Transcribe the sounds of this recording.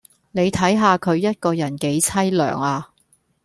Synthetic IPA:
ne˨˧jt̪ʰɐ˨˥jɦaː˨˧kʰɵ˨˧ɥjɐ˥t̚kɔː˧jɐ˨˩nke˨˥jt͡sʰɐ˥jlœ̰ː˨˩ŋaː˧

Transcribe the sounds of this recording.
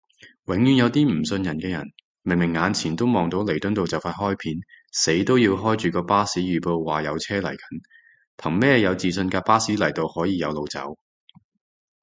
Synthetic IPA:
wɪ˨˥ŋjyː˧˥njɐ˨˧wt̪iː˥m̩˨˩sɵ˧njɐ˨˩nkɛː˧jɐ̰˨˩n | mɪ˨˩ŋmɪ˨˩ŋːaː˨˧nt͡sʰiː˨˩nt̪o˥wmɔː˨ŋt̪o˨˥wle˨˩jt̪ɵ˥nt̪o˨wt͡sɐ˨˩wfaː˧t̚ɦɔː˥jpʰiː˨˥nse˨˥jt̪o˥wjiː˧wɦɔː˥jt͡ʃyː˨˩kɔː˧paː˥siː˨˥jyː˨˩po˧wwaː˨˩jɐ˨˧wt͡sʰɛː˥lɐ̰˨˩jkʰɐ̥˨˥n | pʰɐ˨˩ŋmɛː˥jɐ˨˧wt͡siː˨sɵ˧nkaː˧paː˥siː˨˥lɐ˨˩jt̪o˧whɔː˨˥jiː˨˧jɐ˨˧wlo˨wt͡sɐ̰˨˥w

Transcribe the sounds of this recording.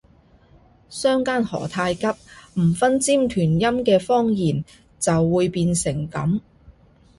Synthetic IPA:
sœː˥ŋkaː˥nhɔ̰ː˨˩t̪ʰaː˧jkɐ˥p̚m̩˨˩fɐ˥nt͡siː˥mt̪ʰyː˨˩njɐ˥mkɛː˧fɔː˥ŋjiː˨˩n | t͡sɐ˨wːuː˨˧jpiː˧nsɪ˨˩ŋkɐ̰˨˥m

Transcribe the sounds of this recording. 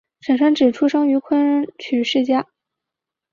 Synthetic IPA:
ʂə˨˩nʂwa˥nʈ͡ʂɻ̩˨˩ʈ͡ʂʰu˥ʂɤ˥ŋy˧˥kʰwə˥n˥t͡ɕʰy˨˩ʂɻ̩˥˩t͡ɕja˥˩

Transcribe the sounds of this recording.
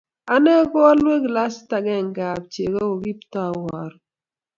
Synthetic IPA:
a˦nɛ˦ɡɔ˦a˦lwe˦kla˦sta˨ɡɛ˦˨ŋ˨ɡa˨b̚t͡ʃe˨ɡo˦o˨ɡi˦ptɔ˦˨wɔ˨ɾ

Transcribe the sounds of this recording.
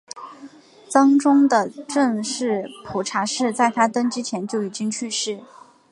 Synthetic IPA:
t͡sɑ˥ŋʈ͡ʂʊ˥ŋd̪ə˨ʈ͡ʂɤ˥˧ŋʂɻ̩˥˩pʰu˨˩ʈ͡ʂʰa˧˥ʂɻ̩˥˧t͡sa˥˩ɪt̪ʰa˥t̪ə˥nʈ͡ʂɻ̩˥t͡ɕʰjɛ˧˥nt͡ɕjo˥˩ʊi˨˩t͡ɕi˥ŋt͡ɕʰy˥˧ʂɻ̩˥˩

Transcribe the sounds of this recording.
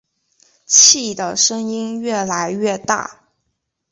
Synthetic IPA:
t͡ɕʰi˥˩d̪ə˨˩ʂɤ˥ŋi˥nɥɛ˥˩la˧˥ɪɥɛ˥˧t̪a̰˥˩

